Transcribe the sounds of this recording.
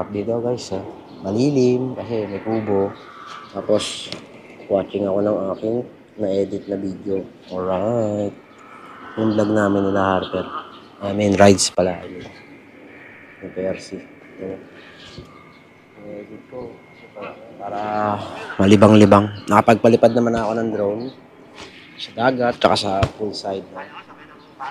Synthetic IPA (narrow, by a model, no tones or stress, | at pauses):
ap̚d̪id̪ɐwɡajs | mɐliːlɪmkɐsɛmɐjkuːbo̞ | t̪aːpo̞s | kwaːt͡ʃɪŋɐko̞nɐŋaːkɪŋ | mɐʔɛːd̪ɪt̪̚nɐbiːd̪joʔoɹajt̪̚ | nʊnb̪lɐɡ̚naːmɪnɪnɐhaɾp̪ɛt̪̚ | ʔɐmɪnɾajd̪spɐlaʔɐ̰nɪla | jʊpɛɾsi | jɐno | ʔɛd̪ɪd̪̚ko | sɛpɐlapaːɾɐ | mɐlɪbaŋlɪbaŋnɐkɐpɐɡ̚pɐlɪpad̪̚nɐmanɐko̞nɐŋd̪ɾown | sɐd̪aːɡɐt̪̚t͡ʃɐkasɐfulsajd̪̚nɐ